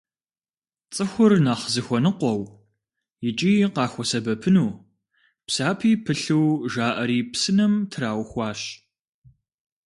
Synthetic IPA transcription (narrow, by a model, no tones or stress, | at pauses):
t͡sʼɨxʷʊrnaːχzɨxʷɔnɨqʷɔw | jɪt͡ʃʼiːqɑːxʷɔsɐbɐpʰɨnuː | psaːpʰiːpʰɨɬɨwʒaːʔɐɾiːpsɨnɐmtʰraːwxʷɑːɕ